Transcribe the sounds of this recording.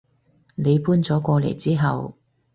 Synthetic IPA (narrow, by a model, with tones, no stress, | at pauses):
ne˨˧jpuː˥nt͡sɔː˨˥kʷɔː˧lḛ˨˩jt͡siː˥ɦɐ˨w